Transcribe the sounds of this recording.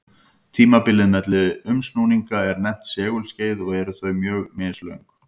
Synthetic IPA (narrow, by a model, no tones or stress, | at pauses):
t̪ʰiːmapɪlːɪðmɛt̪lɪðʏmsnuniŋkaɛɾnɛm̥t̪sɛːɣʏlsceːjðɔɣɛɾʏθœɥmjœːɣmɪːðslœiŋk